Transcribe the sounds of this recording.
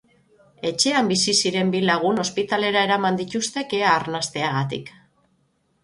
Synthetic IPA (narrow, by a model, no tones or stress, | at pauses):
e̞t͡ʃe̞ambisisiɾe̞mbilaɣ̞uno̞spit̪ale̞ɾae̞ɾamand̪it̪ust̪e̞ke̞aːɾnast̪e̞aɣ̞at̪ḭk